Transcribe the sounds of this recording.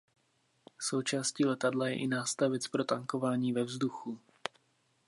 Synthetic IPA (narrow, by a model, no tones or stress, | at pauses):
so̞wt͡ʃaːsciːlɛt̪adlajɛ̰ʔɪnaːst̪avɛt͡spɾo̞t̪aŋko̞vaːɲiːvɛvzduxu